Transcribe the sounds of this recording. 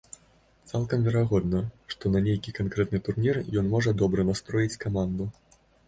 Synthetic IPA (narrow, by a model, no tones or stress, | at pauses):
t̪salˠkɐmvʲɛɾaɣɔd̪nɐʂt̪ɔnɐnʲejkʲikankɾɛt̪nɨt̪urnʲirjɔnmɔʐɐd̪ɔbɾɐnast̪ɾɔjit͡sʲkamand̪u